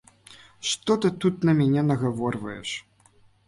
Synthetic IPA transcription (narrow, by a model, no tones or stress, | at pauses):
ʂt̪ɔt̪ɨt̪ut̪nɐmʲænʲɛnɐɣavɔrvɐjɛ̰ʂ